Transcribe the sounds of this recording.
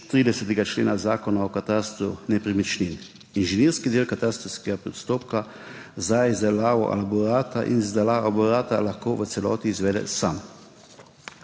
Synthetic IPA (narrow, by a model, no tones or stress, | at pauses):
t̪ːɾiːd̪ɛsɛt̪ɛɡat͡ʃlḛːnazaːkɔnaɔkat̪ast̪ɾṵnɛpɾimit͡ʃnin | inʒɛniːɾskid̪eːlkat̪aːst̪ɾɔwskɛɡapɾɛt̪st̪oːp̚ka | zaizd̪ɛlaːʋɔ̰ʔa̰labɔɾaːt̪aʔḭnzd̪ɛlaabɔɾaːt̪alaxkoːʋət̪sɛlɔ̰ːt̪iːzʋɛd̪ɛ̰sa̰m